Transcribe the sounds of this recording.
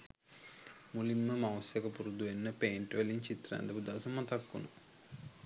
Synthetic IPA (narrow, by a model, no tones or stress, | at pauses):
mulimːəmɐʋɐsjɐkɐpuɾud̪uʋenːəpeːɳʈʋeliɲt͡ʃit̪ɾa̰ːnd̪ɐbud̪aːsɐmːɐt̪ɐkːunu